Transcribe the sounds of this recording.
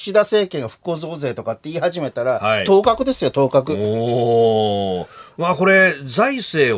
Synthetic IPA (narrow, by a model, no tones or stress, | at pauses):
ɕid̪ase̞ːkẽ̞ŋɡaɸɯ̟̥ko̞ːzo̞ːze̞ːt̪o̞kat̪ːe̞iːhaʑime̞t̪aɾahait̪o̞ːkakɯ̟d̪e̞sɨjo̞t̪o̞ːkakɯ̟ | maːko̞ɾe̞zaise̞ː